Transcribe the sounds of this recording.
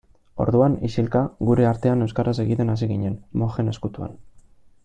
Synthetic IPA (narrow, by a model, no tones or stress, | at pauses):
o̞̰ɾðuanisilkaɣuɾe̞aɾt̪e̞ane̞wskaɾʔase̞ɣit̪e̞nasiɣiɲe̞nmo̞xe̞ne̞skut̪ua̰n